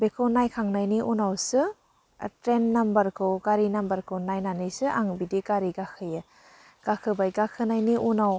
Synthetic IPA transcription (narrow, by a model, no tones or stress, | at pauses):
bekʰɯwnajkʰaŋnajniʔunawsɯ | tɾenːambɐɾkʰɯwɡaɾinambɐɾkʰɯwnajnanɯjsɯʔaŋbidiɡaɾiɡakʰɯjɯ | ɡ̥akʰɯbajɡakʰɯnajniʔunaw